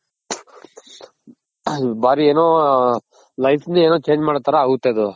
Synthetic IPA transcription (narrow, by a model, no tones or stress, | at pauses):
baːɾieːnoː | laɪfnĩːeːnõːt͡ʃẽːd͡ʒmãɽt̪əɾaːɦuːt̪eːd̪oː